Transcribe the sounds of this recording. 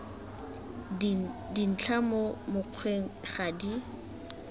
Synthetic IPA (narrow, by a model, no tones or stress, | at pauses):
din̩t͡ɬʰamomʊq͡χʰweŋ̩χadi